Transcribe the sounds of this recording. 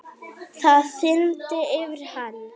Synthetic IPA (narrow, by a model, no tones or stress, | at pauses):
θaðfɪlt̪ɪɪvɪɾ̥hanː